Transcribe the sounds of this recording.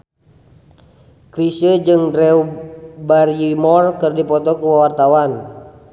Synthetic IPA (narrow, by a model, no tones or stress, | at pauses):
kɾisəd͡ʒɨŋdɾɛubaɾimɔrkɨrdipɔt̪ɔkuwawart̪awan